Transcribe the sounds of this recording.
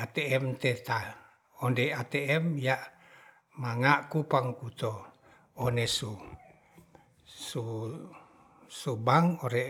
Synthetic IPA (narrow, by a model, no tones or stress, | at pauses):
at̪ɛɛmt̪et̪a | ondɛat̪ɛɛmjaʔ | maŋaʔkupaŋkut̪o | onesu | su | subaŋoɾɛ